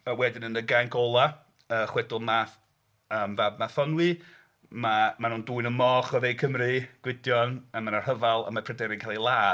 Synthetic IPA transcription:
əwɛdɪnənəɡaŋkʰɔlˠa | əːχwɛdʊlˠmaθ | əːmvabmaθɔnwi | mamanuːnduːɨnənmɔːχɔðejkʰəmriɡ̥wɪdjɔnamanarhəvalˠa̰mapʰrɛdɛɾɪnkʰalˠilˠaː

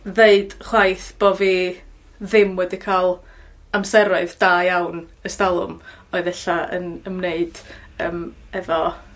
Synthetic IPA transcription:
ðeɨdχwajθb̥ɔvi | ðɪmwɛdikʰalˠ | amsɛɾʊɨðd̥aːjawnəstalˠʊ̰m | ɔɨðɛɬaə̰nənmneɨd̥əːm | ɛvɔ

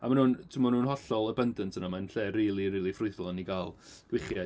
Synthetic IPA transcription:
a̰manuːntʰɪmanuːnɦɔɬɔlˠəbəndəntʰənamanɬeːriːlˠiriːlˠifrʊɨθlˠɔniɡalˠɡ̥wɪχja

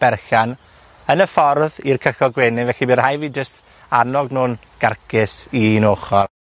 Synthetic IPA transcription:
b̥ɛrxan | ənəfɔrðirkʰəxɔɡweːnɪvɛɬibɪrhajviːd͡ʒəst | anɔɡnuːn | ɡ̥arkʰɪsinoːχɔ

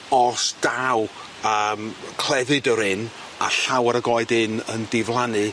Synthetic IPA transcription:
ɔsd̥aw | əmkʰl̥ˠɛðɨdəɾɪn | aɬawəɾəɡɔɨdɪnəndɪvlˠanɨ

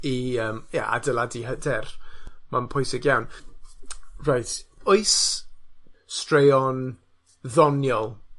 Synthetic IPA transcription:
iəːmja̰ʔa̰dəlˠadiɦədɛrmanpʰʊjsɪɡjawn | rajtʰoɨs | strejɔn | ðɔnjɔlˠ

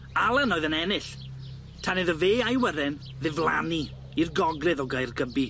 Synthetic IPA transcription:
alˠənɔːɨðənɛnɪɬ | tʰanɨðəveːajwəɾɪn | ðɪvlˠa̰ni | irɡɔɡlɨðɔɡajrɡəbi

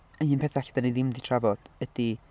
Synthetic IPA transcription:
ənhɨːnpʰeθɛɬḁd̥anejðɪmditʰravɔd̥əd̥i

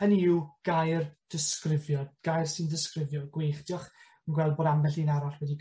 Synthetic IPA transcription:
əniwɡ̥ajrd̥ɪskrɪvjɔdɡ̥ajrsɪndəskrɪvjɔɡweχd̥jɔχ | ənɡwɛlˠd̚boːdambɛɬinaɾaɬwɛdi

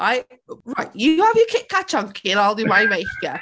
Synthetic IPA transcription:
ʔaɪ | ɹaɪʔjəəvjəkʰɪʔkʰat͡ʃʌ̃ŋkʰɪnaɪlˠðəwaɪmeɪkə

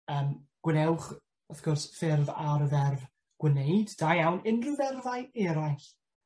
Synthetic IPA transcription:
əːmɡ̥wɪnɛwχ | əθɡ̥ɔrsfɪrvaɾəðɛrv | ɡ̥wənejdd̥ajawnɪndrɨðɛrðajɛːɾajɬ

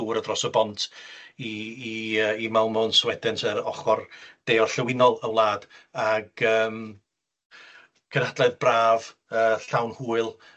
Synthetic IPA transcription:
uːɾədrɔsəbɔntʰiː | əimalˠmɔnswɛdɛntʰəɾɔχɔrd̥eːɔrɬəwɪnɔlˠəwlˠaːd̥aɡəːm | kʰənadlˠɛðbraːv | əːɬawnhuːɨlˠ

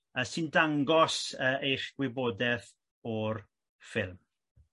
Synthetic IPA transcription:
əsɪndaŋɡɔsəːʔejχɡ̥wɪbɔːdɛθ | ɔr | fɪlˠm

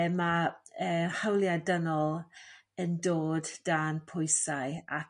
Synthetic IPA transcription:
maəːhawlˠjadənɔlˠ | əndoːdd̥aːnpʰʊjsaɨa

